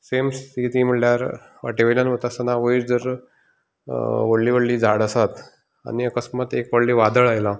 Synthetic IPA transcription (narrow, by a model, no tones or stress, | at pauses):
semst̪ʰit̪im̤əʈljaɾ | aʈiʋəljanʋət̪asənaʋəiɾd͡zəɾ | ʋəɽliːʋəɽliːd͡zʱaɽəsat̪ | a̰niəkəsmat̪ekʋəɽlːiːʋad̪əɭajla